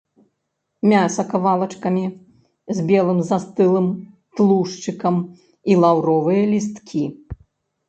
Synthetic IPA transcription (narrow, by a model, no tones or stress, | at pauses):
mʲasɐkavalˠɐt͡ʂkɐmʲi | zʲbʲɛlˠɨmzast̪ɨlˠɨm | t̪lˠuʂt͡ʂɨkɐm | ilˠawɾɔvɨjɐlʲist̪kʲʰi